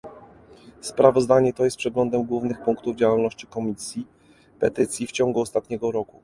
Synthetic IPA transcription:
spɾavɔzd̪aɲɛt̪ɔjɛst̪̚pʂɛɡlɔnd̪ɛmɡwuvnɘxpuŋkt̪uvd͡ʑawalnɔɕt͡ɕi̥kɔmʲisʲji | pɛt̪ɘt̪sʲjift͡ɕɔ̃ŋɡuɔst̪at̪ɲɛɡɔɾɔku

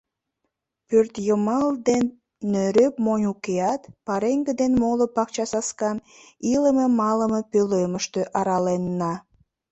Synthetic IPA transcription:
pørt̪jəmɑld̪enː | øɾøpmonʲukeɑt̪pɑɾeŋɡəd̪enmolopɑk̚t͡ɕɑsɑskɑn | iləmemɑləmepøløməʃt̪øʔɑɾɑlenːɑ

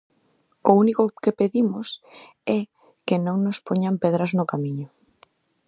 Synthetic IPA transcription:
ʊunikʊkepeðimʊs | ɛ | kɪnõŋnʊspoɲampɛðɾaznʊkamiɲʊ

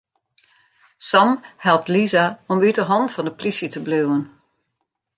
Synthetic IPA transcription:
sɔmhɛlˠp̚tlizaɔmytdəɦɔntfɔndəplisjətəbløwən

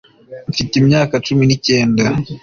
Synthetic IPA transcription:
ɱfitimɲaːkat͡ʃuminice̞ːnda

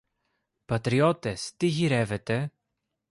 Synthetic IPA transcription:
pɐt̪ɾiot̪est̪iʝiɾevet̪e

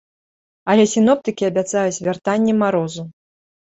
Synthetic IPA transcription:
ɐlʲɛsʲin̪ɔp̚t̪ɨkʲiɐbʲat̪sajut͡sʲvʲart̪anʲːɛmaɾɔzu

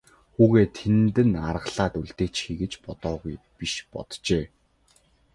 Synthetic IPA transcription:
xuːɣeːt̪ʰent̪ɘ̆narə̆ɮaːt̪uɮt̪eːt͡ɕxiːɣɘ̆t͡ɕpɔt̪ɔːɣuj | piʃpɔ̰t̪t͡ɕeː

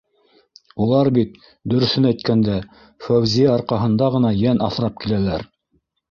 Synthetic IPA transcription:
ulˠɑɾbit̪̚ | d̪ɵ̆ɾɵ̆θɘnæjt̪̚kænd̪æ | fæwzʲijæɑɾqɑɦɤ̆nd̪ɑʁɤ̆nɑjænʔɑθɾɑp̚kilælæɾ

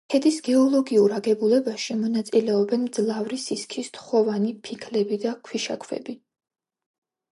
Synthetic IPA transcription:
hʰɛd̪isɡɛɔlˠɔɡiuɾaɡɛbulɛbaʃimɔnat̪sʼilɛɔbɛnmd̪zlˠavɾisiskʰist̪χɔvanipʰikʰlɛbid̪akʰwiʃa̰kʰvɛ̰bi

